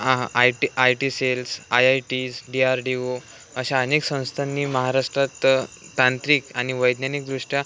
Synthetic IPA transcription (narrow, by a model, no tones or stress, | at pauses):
ajʈiselsajajʈisɖiaɾɖio | əɕaəneksə̃w̃st̪ʰanːiːməɦaɾaʂʈɾat̪t̪ãnt̪ɾiːkaɽ̃iʋəjd̪njanik̚d̪ɾuʂʈja